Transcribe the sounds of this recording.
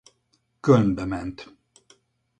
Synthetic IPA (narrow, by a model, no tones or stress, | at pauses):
kønbɛmɛnt̪